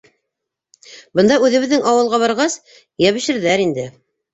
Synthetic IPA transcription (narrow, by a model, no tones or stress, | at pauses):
bɤ̆nd̪ɑʉðɘ̆βɘ̆ðːɘŋʔɑwɤ̆lˠʁɑβɑɾʁɑs | jæβɘ̆ʃɘ̆ɾðæɾind̪ɘ